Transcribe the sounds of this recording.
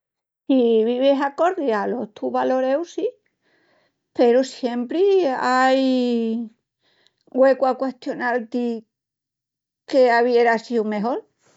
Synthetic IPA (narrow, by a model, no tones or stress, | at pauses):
iβiβesako̞ɾðjalo̞ht̪ʰuβalo̞ɾe̞wsi | pe̞ɾosje̞mpɾiaj | ɡwe̞kwakwe̞hst̪jo̞nalt̪i | ke̞aβje̞ɾasiwme̞ɦo̞l